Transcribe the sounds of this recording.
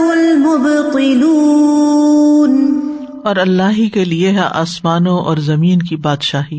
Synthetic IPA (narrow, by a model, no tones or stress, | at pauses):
ʊlmʊbt̪ˤɪluː | n | ɔːɾɐlːaːɦikelieɦɛʔa̰ːsmaːnõʔɔ̰ːɾzɐmiːnkibaːd̪ʃaːɦiː